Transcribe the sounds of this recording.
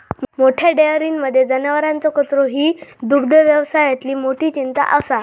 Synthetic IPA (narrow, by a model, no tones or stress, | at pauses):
moʈʰjaɖejəɾinməd̪ʱːjed͡zənəʋəɾãnt͡sɔkət͡sɾoɦiːd̪ukd̪əʋjəʋsajat̪liːmoʈiːt͡ɕint̪a̰ʔəsa